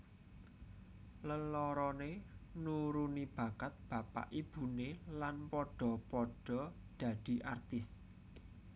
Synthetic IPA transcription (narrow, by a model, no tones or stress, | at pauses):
ləlɔɾɔnenuɾunib̥ä̤ɡ̥at̪̚b̥ä̤pa̰ʔib̥ṳnelanpɔɖ̥ɔ̤pɔɖ̥ɔ̤d̪̥ä̤d̪̥i̤ʔa̰rt̪ɪs